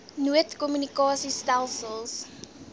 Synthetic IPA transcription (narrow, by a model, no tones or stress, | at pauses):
nuətkɔmjynikɑːsistælˠsəlˠs